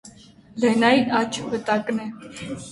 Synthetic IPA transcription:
lɛnɑiɑt͡ʃʰbət̪ɑkʼnɛ

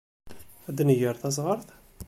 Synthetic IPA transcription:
æd̪nəjəɾθæzʁəɾˤθ

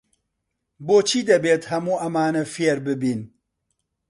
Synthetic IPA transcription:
boːt͡ʃʰiːd̪ɐbeːt̪hɐmuːʔɐmaːnɐfeɾbɨbiːn

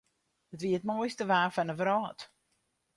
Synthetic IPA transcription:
ətʋiəətmɔjstəʋaːfanəvəɾɔːt

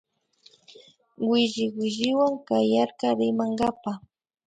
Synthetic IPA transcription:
wɪʒɪwɪʒɪwaŋkajaɾkɑɾɪmaŋɢapa

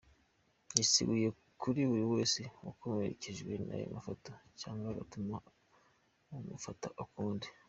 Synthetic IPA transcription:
jisiɡuje̞ | kʰuɾiβuɾiwe̞ːsewukomeɾḛceʒɡwe̞̰na̰jo̰mafotocaːŋɡaβa̰tuma | umufataʔukuːndi

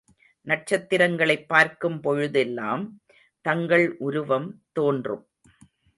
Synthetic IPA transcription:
nɐʈ̚t͡ʃɐt̪ːɪɾɐŋɡɐɭɐɪpːaːɾkɯmpɔɻʊðɛlːa̰ːm | t̪ɐŋɡɐɭʔʊɾʊʋɐmt̪oːndrɯ̰m

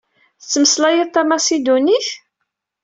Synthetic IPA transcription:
θət͡sːəməslæjəðt̪ˤːamasid̪uniθ

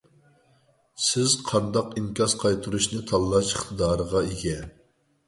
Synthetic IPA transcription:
sɪz̥qʰɑnd̪ɑqimkʲɑsqʰɑjt̪ʰuɾuʃnɨt̪ʰɑlˠːɑʃəχt̪ʰɨd̪ɑːɾəʁɑeɡʲɛ

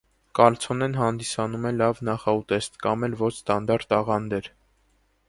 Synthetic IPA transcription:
kɑlt͡sʰɔnɛnɦɑnd̪isɑnumɛlɑvnɑχɑut̪ɛst̪kɑmɛlvɔt͡ʃʰst̪ɑnd̪ɑɾt̪ɑʁɑnd̪ɛɾ

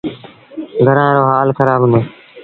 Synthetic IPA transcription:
ɡʱəɾãːɾoːɦaːlxəɾaːbʱɦʊ̃nd̪oː

